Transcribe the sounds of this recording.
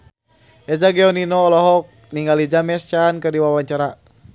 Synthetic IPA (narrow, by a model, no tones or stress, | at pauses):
ɛd͡ʒaɡɛɔninɔːlɔɦɔk̚ | niŋɡalid͡ʒamɛst͡ʃankɨrdiwawaɲt͡ʃaɾa